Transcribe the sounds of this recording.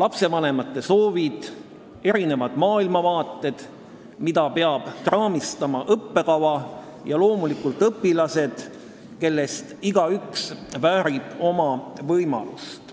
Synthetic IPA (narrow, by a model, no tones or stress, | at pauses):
lɑpse̞vɑne̞mɑt̪ːe̞so̞ːvid̪̥ | e̞ɾine̞vɑd̪̥mɑːilmɑvɑːt̪ˑːe̞d̪̥ | mid̪ɑpe̞ɑb̥krɑːmist̪ɑmɑʔɤpːe̞kɑvɑ | jɑlo̞ːmulikult̪ˑɤpːilɑse̞d̪̥ | ke̞lːe̞st̪iɡ̥ɑyksvæːɾib̥o̞mɑvɤjmɑ̰lust̪